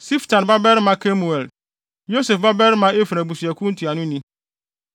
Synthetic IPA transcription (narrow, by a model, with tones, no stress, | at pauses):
si˦ftʰã˨n˨ba˦bɛ˦ɾmã˦kʰe˦mu˨ɛ˨l | jo˦se˨fba˦bɛ˦ɾmã˦e˦fɾa˨bu˨su˨ɛ˨kʰũ˦n̩˦tʰi˨a˨nʊ̃˦nĩ˦